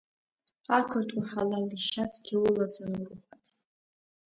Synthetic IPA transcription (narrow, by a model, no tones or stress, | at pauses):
akʷʰɨrtʰʼwaħalaliʃat͡sʰʼɡʲiʊlazanurχʷat͡sʼ